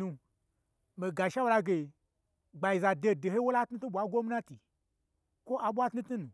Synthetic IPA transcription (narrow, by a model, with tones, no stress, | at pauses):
nũ˧ | me˨ɡa˨ʃa˦wo˧la˧ɡe˨ | ɡ͡ba˨ji˨za˨de˧˨de˨he˦wo˦la˦tnu˦tu˦ɓʷa˨˦ɡʷo˦mi˦nã˦ti˨ | kʷo˦ʔa˨ɓʷa˦tu˦tnu˦nũ˨